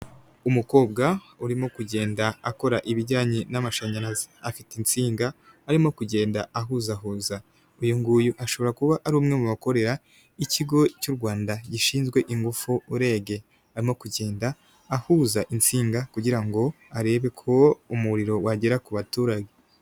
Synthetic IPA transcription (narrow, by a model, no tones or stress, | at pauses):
umuko̞ːb̚ɡa | uɾimo̞kuɟe̞ːndaːko̞ɾaʔiβiɟaːɲenamaʃaɲanazeafitint͡siːŋɡaː | ɾimo̞kuɟe̞ːndaaɦuzaɦuːza | ujuŋɡuːjuʔaʃo̞βo̞ɾakuβaʔaɾuːmŋemuβako̞ɾe̞ɾa | iciɡo̞cuɾɡwaːndaɟiʃiːnzɡwe̞ʔiŋɡufuːɾe̞ːɡe̞ | aɾimo̞kuɟe̞ːndaː | huzaʔint͡siːŋɡakuɟiɾaŋɡo̞ | aɾe̞ːβe̞kʰo̞umuɾiɾo̞waɟeɾakuβatuːɾaɡe